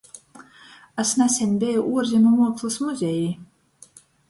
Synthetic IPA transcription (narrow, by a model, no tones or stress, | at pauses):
asnæsʲɛnʲbʲɛjuʔuɔɾzʲinumuɔkslˠusmuzʲɛji